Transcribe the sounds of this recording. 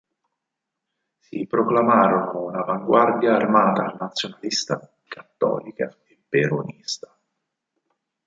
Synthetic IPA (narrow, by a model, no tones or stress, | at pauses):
sipɾoklamaːɾonounavaŋɡward̪jaːrmaːt̪aːlnat̪sːjonalist̪a | kat̪ːɔ̰ːlika̰ | epːeɾonist̪ḁ